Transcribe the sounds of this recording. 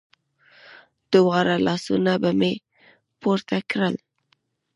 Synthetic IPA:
d̪̥ʊwɑɾalɑsunabame | poɾt̪akɾəl

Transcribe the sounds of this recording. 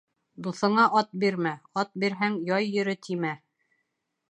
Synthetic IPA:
d̪uθɤ̆ɴɑʔɑt̪̚biɾmæɑt̪̚biɾɦæŋjɑjːɵ̆ɾɘt̪ʰimæ

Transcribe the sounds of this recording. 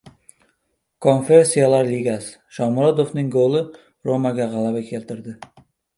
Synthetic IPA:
kʰo̞nfe̞ɾsijalaɾliɡʲasɪ̥ʃɒmɾod̪ofnɪŋɡolˠɪ | ɾomaɡʲaʁɑlˠabakʲʰe̞lt̪ʰɪɾd̪ɪ

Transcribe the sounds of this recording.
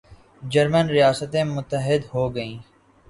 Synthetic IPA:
d͡ʒəɾmənɾɪjaːsət̪ẽmʊt̪ːəɦɪd̪ɦoːɡəĩː

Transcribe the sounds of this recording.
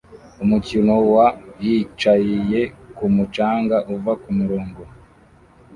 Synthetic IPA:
umucinowajit͡ʃajije̞kumut͡ʃaːŋɡaʔuvakumuɾoːŋɡo

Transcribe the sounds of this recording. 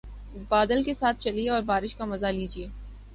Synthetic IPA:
baːd̪əlkesaːt̪̚ʰt͡ʃɐlieɔːɾbaːɾɪʃkamɐzaliːd͡ʒieː

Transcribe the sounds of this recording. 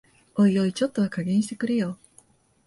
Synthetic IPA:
oijoit͡ɕo̞t̪ːo̞βakaɡʲẽ̞ɰ̃ɕi̥t̪ekɯ̟ɾɯjo̞ː

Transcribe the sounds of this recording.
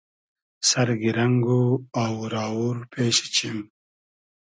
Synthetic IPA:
sɐɾɡiɾaŋɡoawɾɑːuɾpʰeːʃe̥t͡ɕim

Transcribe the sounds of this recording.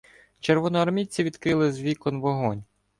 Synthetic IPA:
t͡ʃeɾʋɔnɔɐɾmʲit͡sʲiʋʲid̪kɾɪlˠɪzʲʋʲikɔnʋɔɦɔnʲ

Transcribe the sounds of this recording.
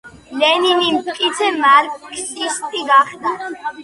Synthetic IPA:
lɛninimkʼit̪sʰɛmaɾkkʰsist̪ʼiɡaχd̪a

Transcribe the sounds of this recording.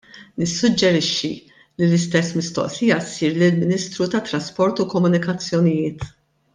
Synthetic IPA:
nɪsːʊd͡ʒːɛɾɪʃːi | lilɪst̪ɛsːmɪst̪ɔ̰ʔsɪjɐsiːɾlɪlmɪniːst̪ɾut̪ɐt̪ːɾɐspɔɾt̪ukɔmʊnɪkɐt͡sːjɔnɪjɪːt̪

